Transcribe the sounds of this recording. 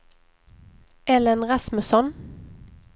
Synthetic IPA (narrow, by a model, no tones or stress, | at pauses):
ɛlənʁɑsmʉsɔn